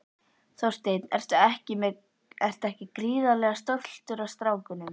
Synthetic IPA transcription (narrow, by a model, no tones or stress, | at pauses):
θowst̪ejt̪nɛ̰r̥t̪aɛhcɪmɛ | ɛr̥t̪aɛhcɪkɾiːðalɛɣast̪owl̥t̪ʏɾavst̪ɾaːwkʏnʏm